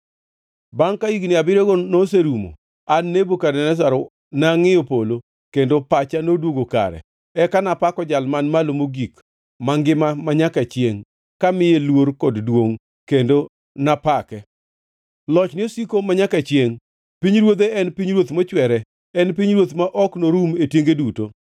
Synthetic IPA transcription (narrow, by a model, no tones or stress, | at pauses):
baŋkaiɡnɪabɪɾeɡonos̬eɾumo̰ | anːebokadɛnɛs̬aɾo | naŋɪopolo | kendopat͡ʃanodwoɡoka̰ɾɛ̰ | ɛkanapakɔd͡ʒalmanmalomoɡik | maŋɡɪmamaɲakat͡ʃjeŋ | kamɪjelwoɾkɔddwoŋ | kendo | napakɛ | lɔt͡ʃnɪosikomaɲakat͡ʃjeŋ | piɲɾwod̪eɛnpiɲɾwot̪mɔt͡ʃwɛɾɛ | ɛnpiɲɾwot̪maʔɔknoɾumetjeŋɡeduto